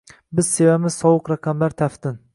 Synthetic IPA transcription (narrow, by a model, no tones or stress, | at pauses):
bɪz̥se̞vamɪz̥sɒwʊqɾaqʰɑmlaɾt̪ʰaft̪ɪn